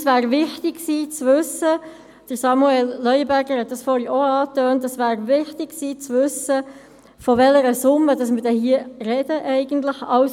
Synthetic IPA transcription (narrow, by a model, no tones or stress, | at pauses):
svæːɾʋɪχtɪɡsiːt͡sʋʏsə | d̥əɾsɑmuɛlːœʏəbæɾɡəɾhɛt̪̚d̥ɑsfɔːɾioɑːtøːntːəsʋæːɾvɪχtɪksiːt͡sʋʏsə | fɔʋɛləɾəsʊmːəd̥ɑsmədɛhiərɛd̥əʔɛɪɡ̥ən̩t̪ləχɑws